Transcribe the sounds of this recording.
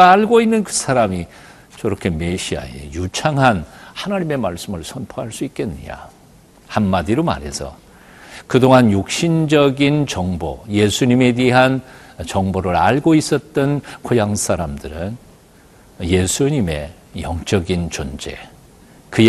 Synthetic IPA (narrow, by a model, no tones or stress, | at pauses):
ɭɡoinːɯnkɯsʰaɾami | t͡ɕʌɾʌkʰe̞me̞ɕʰia̰ḛjut͡ɕʰaŋɦanhanaɲime̞maɭs͈ɯmɯɭsʰʌnpʰoɦaɭs͈uik͈e̞n̰ːɲa̰ | hanmadiɾoma̰ɾe̞̰sʰʌ̰ | kɯdoŋanjuk̚ɕ͈ind͡ʑʌɡint͡ɕʌŋbo̰je̞sʰuɲime̞deɦant͡ɕʌŋboɾɯɾa̰ɭɡois͈ʌt̚t͈ʌnkʰojaŋsʰaɾamdɯɾɯn | je̞sʰuɲime̞ | jʌŋt͡ɕ͈ʌɡint͡ɕond͡ʑe̞ | kɯ